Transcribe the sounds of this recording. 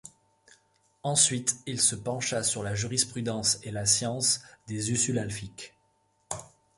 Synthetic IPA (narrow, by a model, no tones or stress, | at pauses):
ɑ̃sɥit̪ilsəpɑ̃ʃasyʁlaʒyʁispχyd̪ɑ̃selasjɑ̃sd̪ezysylalfik